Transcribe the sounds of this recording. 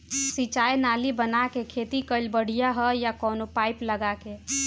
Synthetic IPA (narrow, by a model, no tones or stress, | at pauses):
sit͡ʃajnalibənakekʰet̪ikəɪlbəɽ̤ijaɦəjakɔːnopaɪpləɡake